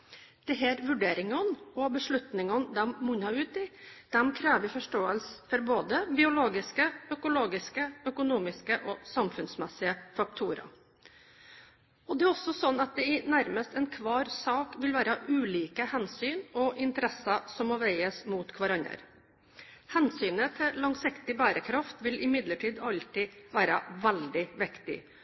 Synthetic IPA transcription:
d̪̥ɛɦæːɾʋʉɖeːɾɪŋɑnɔbəʂɭʉt̪nɪŋɔnd̪ɛmmʊnɑʉːt̪ɪd̪̥ɛmkʰɾæːʋɪfɔʂʈoːəlsəfɔɾboːd̪əbɪʊloːɡɪskəœkʊloːɡɪskəœkʊnuːmɪskəʔɔsɑmfʉnsmɛsɪəfɑk̚t̪ʰuːɾɑ̰ | ɔd̪ɛæɾɔsːɔsɔnːɑt̪̚d̪ɛɪnæɾməst̪ɛnkʰʋɑːɾsɑːkʋɪlʋæːɾəʔʉːliːkəhɛnsyːnɔʔɪnt̪əɾɛsɑsɔmːɔːʋæɪəsmuːt̪kʰʋɑɾɑnə̰ɾ | hɛnsyːnət̪ʰɪlɑŋsɪkt̪ɪbæːɾəkʰɾɑft̪ʋɪlɪmɪd̪ləʈʰiːd̪ɑlt̪ɪʋæːɾə̰ʋɛld̪ɪʋɪkt̪ɪ̰

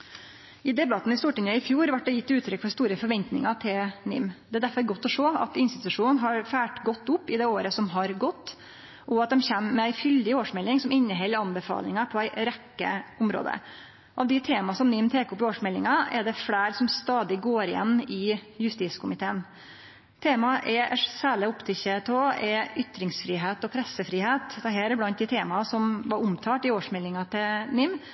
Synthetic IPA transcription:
ɪd̪ɛbɑt̪ːn̩ɪst̪uːʈɪŋəɪfjuːɾʋæʈ̚ːd̪ɛjɪt̪ːʉːt̪ʰːɾʏkːfɔɾst̪uːɾəfɔɾʋɛnt̪nɪ̰ŋɑt̪ʰɪlnɪ̰md̪ɛæd̪æɾfɔɾɡɔt̪ːɔʂoːɑ̰t̪ɪnst̪ɪt̪ʉʂuːnnɦɑɾfæːʈɡɔt̪ːʊpːɪd̪ɛoːɾəsɔmɦɑɾɡɔt̪ː | ʔɔɑt̪̚d̪ɛmçɛmːɛæɪfʏld̪ɪoːʂmɛlːɪŋsɔmɪnːəɦɛlːəɾɑnbɛfɑ̰ːlɪŋɑpʰɔæɪɾɛkːə̰ʊmɾo̰ːd̪ə̰ | ʔɑʋd̪ɪt̪ʰeːmɑsɔmnɪmt̪ʰeːkʊpːɪoːʂmɛlːɪŋɑɛɖɛfɽæːɾsɔmst̪ɑːd̪ɪɡoːɾɪjɛ̰nːɪjʉst̪iːskʰʊmɪt̪ʰeːən | t̪ʰeːmɑʔɛsæːɭɪʊpt̪ʰɪçət̪ʰoːɛʏt̪ɾɪŋsfɾiːɦeːt̪ɔpʰɾɛsəfɾiːɦeːt̪d̪ɛɦæːɾɛblɑnt̪̚d̪ɪt̪ʰeːmɑsɔmʋɑɾʊmt̪ʰɑːʈɪoːʂmɛlːɪŋɑt̪ʰɪnɪm

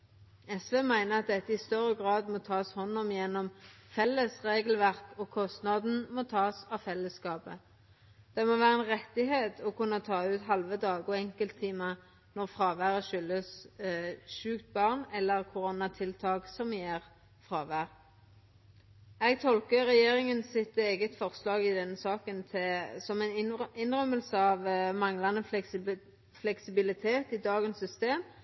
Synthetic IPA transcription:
ɛsʋeːmæɪnəɑt̪̚d̪ɛt̪ːəɪst̪œʁəɡʁɑːd̪moːt̪ʰɑːshɔnːɔmjɛnːɔmfɛlːəsʁeːɡəlʋæʁkɔkʰɔst̪nɑd̪n̩moːt̪ʰɑːsɑʋfɛlːəsːkɑːpə | d̪̥ɛmoːʋæːʁəɛnʁɛt̪ːɪɦeːt̪ʰɔkʉnːət̪ʰɑːʉːt̪ɦɑlʋəd̪ɑːɡɔɛŋkəlt̪ʰːiːmɑ | nɔʁfʁɑːʋæːʁəʃʏlːəs | ʃʉːkt̪̚bɑʁnɛlːəʁkʰʊɾoːnɑt̪ʰɪlt̪ʰɑːɡsɔmjeːʁ | fʁɑːʋæːʁ | ɛɡ̚t̪ʰɔlkəʁɛjeːʁɪŋənsɪt̪eːɡət̪fɔʁslɑːɡɪd̪ɛnːəsɑːkənt̪ʰɛsɔmɛɪnɪnʁœməlsəɑʋmɑŋlɑnə | flɛksɪbɪlɪt̪ʰeːt̪ɪd̪ɑːɡənsːʏst̪eːm

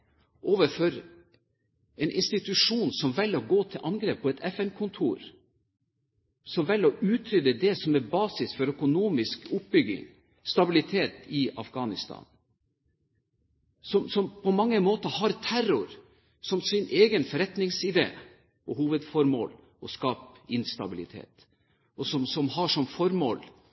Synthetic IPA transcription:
ʔoːʋəfɔɾ | ɛnʔɪ̰nst̪ɪt̪ʉʂuːnsɔmʋɛlːɔɡoːt̪ʰɪlʔɑnɡɾeːpʰːɔɛt̪ʰɛfɛnkʰʊnt̪ʰṵːɾ | sɔmʋɛlɔʔʉːt̪ʰɾʏd̪əd̪ɛsɔmɛɾbɑːsɪsfɔɾœkʊnuːmɪskʊp̚bʏɡɪ̰ŋ | st̪ɑbɪlɪt̪ʰeːt̪ɪɑ̰fɡɑːnɪst̪ʰɑ̰ːn | sɔmsɔmpʰɔmɑŋːəmoːt̪əhɑɾt̪ʰæɾʊɾ | sɔmsɪnʔeːɡənfɔɾɛt̪nɪŋsɪd̪ḛː | ʔɔhuːʋəd̪fɔɾmo̰ːl | ʔɔskɑːpɪnst̪ɑ̰bɪlɪt̪ʰḛːt̪ | ʔɔsɔmsɔmhɑʂɔmfɔɾmo̰ːl

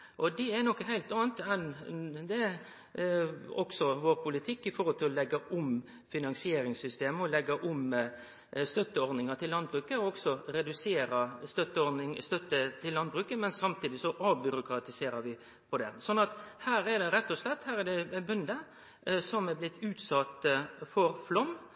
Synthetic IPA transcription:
ʔɔd̪ɛɛɾnɔkːəɦæɪlt̪ɑːənt̪ɛnd̪ɛ | ɔɡsɔʋoːɾpʰʊlɪt̪ʰɪkːɪfɔɾhɔlt̪ʰɪlɔlɛɡːɑʔʊm | fɪnɑnsɪeːɾɪŋsʏst̪eːməɔlɛɡːɑʔʊm | st̪œt̪ːəɔɾd̪ɪŋɑt̪ʰɪllːɑnbɾʉːkəɔɔɡsɔɾɛd̪ʉseːɾəst̪œt̪ːəɔɾnɪŋst̪œt̪ːət̪ʰɪlːɑnd̪bɾʉːkəmɛnsɑmt̪ʰiːd̪ɪsɔʔɑːbʏɾʊkɾɑt̪ɪseːɾəɾʋɪ | pʰɔd̪ɛsɔnːɑt̪hæːɾɛd̪ɛɾɛt̪ːɔslɛt̪ːhæːɾɛd̪ɛbʉnd̪ə | sɔmɛblɪt̪ʰːʉːt̪sɑt̪ːfɔɾflɔmː

